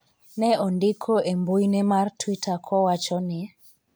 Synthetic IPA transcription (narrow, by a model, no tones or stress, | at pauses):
nɛɔndɪkʰoʔembojnɛmartwitʰakʰɔwat͡ʃɔnɪ